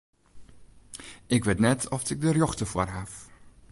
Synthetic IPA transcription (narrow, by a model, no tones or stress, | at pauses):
ʔɪkʋetnɛtʰɔftɪk̚dərjɔxtəforɦaf